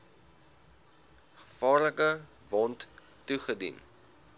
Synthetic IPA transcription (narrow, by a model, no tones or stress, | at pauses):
χə̥fɑːrləkə | vɔntː | uχədḭn